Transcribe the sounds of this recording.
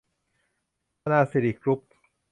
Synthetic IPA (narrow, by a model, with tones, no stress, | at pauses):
naː˧si˨˩ɾiː˨˩kɾu˦˥p̚